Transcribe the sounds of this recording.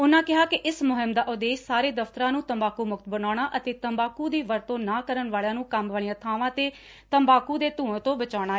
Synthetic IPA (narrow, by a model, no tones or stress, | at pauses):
ʊnãːkɪɦaːkɪʔɪsmʊɦɪmd̪aːʔʊd̪eːʃsaːɾeːd̪əft̪əɾãːnũːt̪əmbaːkuːmʊkt̪bənaːɽ̃aːʔət̪eːt̪əmbaːkuːd̪iːʋəɾt̪õːnaːkəɾənʋaːɭjãːnũːkəmʋaːɭɪjãːt̪ʰaːʋãːt̪eː | t̪əmbaːkuːd̪eːt̪ũːə̃t̪õːbət͡ʃaːɽ̃aːɛː